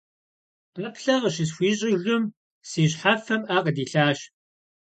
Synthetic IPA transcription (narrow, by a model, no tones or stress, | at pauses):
qɐpɬɐʁəɕɪs̬xʷiːɕʼijɮʊm | siːɕħafɐmaːqʼədiːɬaːɕ